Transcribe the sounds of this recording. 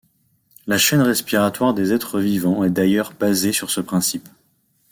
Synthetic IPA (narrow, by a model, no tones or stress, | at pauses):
laʃɛnʁɛspiʁat̪waʁd̪ezɛt̪χəvivɑ̃ɛd̪ajœʁbazesyʁsəpχɛ̃sip